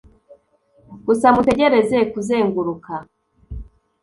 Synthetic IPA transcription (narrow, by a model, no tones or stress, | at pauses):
ɡ̥usamute̞ɟe̞ɾe̞ze̞kuzeːŋɡuɾuka